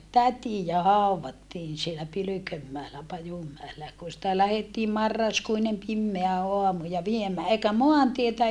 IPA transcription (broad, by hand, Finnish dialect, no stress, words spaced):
tætijæ hɑˑuwʋɑtːiːn sielæ pylykømːæelæ pɑjumːæelæ jɑ kun̞ sĭtæ læhetːiːm mɑrːɑskuinem pimːeæ oɑmu jɑ ʋiemæː eikæ moɑntietæ